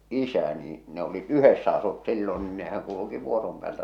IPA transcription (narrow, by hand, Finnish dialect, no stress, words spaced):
ʔisæ niː ne olit yhesːæ ɑsut silːon niːn nehæŋ kuluki ʋuorom pĕæːltæ